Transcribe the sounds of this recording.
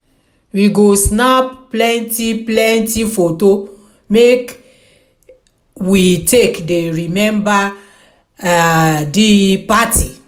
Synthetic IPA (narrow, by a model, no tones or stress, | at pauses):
wiɡosnapplɛ̃ntiplɛ̃ntifoto | mek | witekdeɹimɛ̃mba | adipati